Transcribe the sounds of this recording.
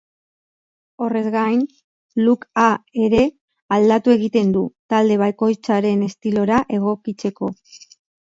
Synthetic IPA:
o̞re̞zɡajn | lukae̞ɾe̞ | ald̪at̪ue̞ɣit̪e̞nd̪ut̪ald̪e̞β̞ajko̞jt͡saɾe̞ne̞st̪ilo̞ɾaʔe̞ɣo̞kit͡se̞ko̞

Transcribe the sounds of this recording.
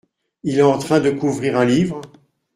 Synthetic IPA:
ilɛɑ̃t̪χɛ̃d̪əkuvʁiʁɛ̃livʁ

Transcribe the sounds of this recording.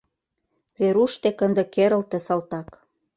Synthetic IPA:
βeɾuʃt̪ekə̆nd̪ĕkeɾə̆lt̪ĕsɑlt̪ɑk

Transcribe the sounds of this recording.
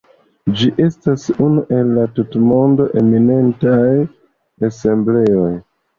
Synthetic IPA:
d͡ʒiʔe̞stasunuʔe̞lːatutmo̞ndo̞ʔe̞mine̞ntaj | ase̞mble̞o̞j

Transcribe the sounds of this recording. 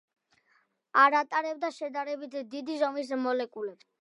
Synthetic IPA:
aɾat̪ʼaɾɛb̚d̪aʃɛd̪aɾɛbit̪ʰd̪id̪izɔmis̬mɔlɛkʼulɛbs

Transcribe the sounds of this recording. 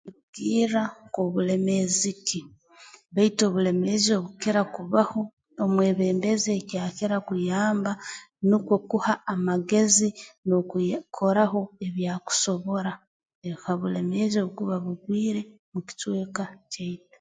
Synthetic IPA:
eβuɡiːɾakoβule̞me̞ziki | βaito̞ːβule̞me̞zio̞βukeɾakuβaho̞ː | mwe̞ːβe̞ːmbe̞zekjaːkeɾakujaːmba | nikwo̞kuhaːmaɡe̞zinokʰo̞ɾaɦo̞e̞βjaku̥so̞βo̞ɾa | ekaβule̞meːzoβukuβaβuɡwiːɾe̞ | muki̥twe̞ːkaceitḁ

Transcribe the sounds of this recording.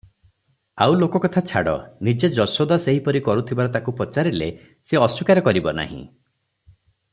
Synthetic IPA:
awlokɔkɔt̪ʰat͡ʃʰa̰ɽɔ̰nid͡ʒed͡ʒɔsod̪aseɦipɔɾikɔɾut̪ʰibaɾɔt̪akupɔt͡ʃaɾilḛ | seɔsikaɾɔkɔɾibɔna̰ɦḭ̃

